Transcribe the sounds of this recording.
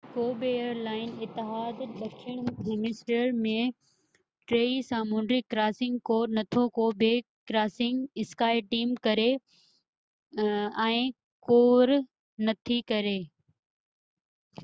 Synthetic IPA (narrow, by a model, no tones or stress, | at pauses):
koːbejəɾlaːɪnɪt̪ːɪɦaːd̪ɗɐkʰəɽ̃kemɪsʈəɾmẽ | ʈɾeːisaːmuːnɖɾikɾaːsɪ̃ŋɡkoːɾnɐt̪ʰokoːbʱe | kɾaːsɪ̃ŋɡɪskaːɪʈiːmkɐɾe | ɛ̃ː | koːɾ | nɐt̪ʰikɐɾeː